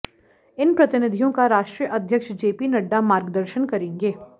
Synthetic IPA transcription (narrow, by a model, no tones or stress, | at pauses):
ɪnpɾɐt̪ɪnɪd̪ʱijõkaɾaːʃʈɾiːjəʔɐd̪ʱjəkʃd͡ʒeːpinɐɖːamaːɾɡd̪əɾʃənkɐɾẽːŋɡeː